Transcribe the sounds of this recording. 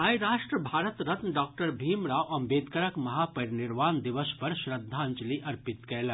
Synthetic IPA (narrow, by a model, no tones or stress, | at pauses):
ɦaːjɾaːʃʈɾəbʱaːɾət̪ɾɐt̪nɖaːk̚ʈəɾbʱiːmɾaːʋʔɐ̃mbeːd̪kɐɾəkmɐɦaːpɐɾnɪɾʋaːnd̪ɪʋəspɐɾʃɾɐd̪ʱːãɲd͡ʒliʔɐɾpɪt̪kɛːlɐ